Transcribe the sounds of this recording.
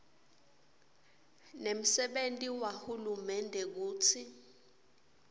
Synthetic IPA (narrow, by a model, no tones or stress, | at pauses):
nem̩sɛɓentʼiwahulumɛndʱɛk̬uːt͡sʰi